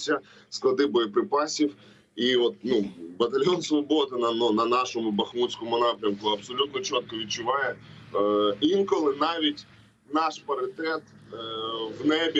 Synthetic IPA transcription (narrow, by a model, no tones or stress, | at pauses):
sʲɐ | sklˠɐd̪ɪbɔjɔpɾɪpɑsʲiw | iɔt̪̚nubɐt̪ɐlʲjɔnsʋɔbɔd̪ɪnɐnɔnɐnɑʃɔmʊbɐxmut͡sʲkɔmʊnɑpɾʲɐmkʊɐbsɔlʲut̪nɔt͡ʃɔt̪̚kɔʋʲid̪̚t͡ʃʊʋɑjɛ | inkɔlˠɪnɑʋʲitʲ | nɑʃpɐɾɪt̪ɛt̪ | wnɛbʲ